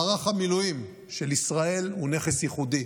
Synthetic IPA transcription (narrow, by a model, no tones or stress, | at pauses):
aʁaχamilujim | ʃelisʁae̞lune̞χesjiχud̪i